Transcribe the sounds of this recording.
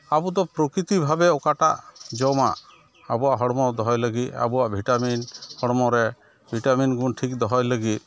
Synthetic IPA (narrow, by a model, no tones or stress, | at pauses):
abud̪ɔpɾɔkɾit̪ibʱabɛɔkaʈa̰ʔd͡ʒɔwma̰ʔ | abuaʔɦɔɽmɔd̪ɔɦɔjləɡit̪̚a̰buaʔbʱiʈaminhɔɽmɔɾɛ | bʱiʈaminɡunʈʰik̚d̪ɔɦɔjləɡit̪̚